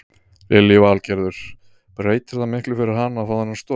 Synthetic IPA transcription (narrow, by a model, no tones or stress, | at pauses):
vɪljɪvaːlcɛɾðʏɾ̥ | pɾeːjt̪ɪɾ̥θamɪhklʏfɪɾɪɾ̥ɦanːafaːðanast̪ɔ